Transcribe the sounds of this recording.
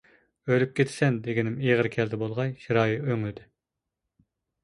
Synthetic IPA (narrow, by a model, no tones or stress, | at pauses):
ølyp̚kʲʰet̪ʰsɛnd̪eɡʲinɪmeʁəɾkʲʰɛld̪ɛbolˠʁɑjʃiɾɑːjiøŋlɪd̪ɪ